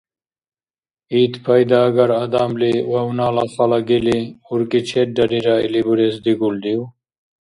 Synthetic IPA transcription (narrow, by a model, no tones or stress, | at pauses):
iːt̪pʰɐjd̪aːɡɐɾad̪aːmliwɐwnaːlaxɐlaɡiliuɾkit͡ɕʰeʈ̚ɖɐɾiɾaḭlibuɾesd̪iɡuld̪iw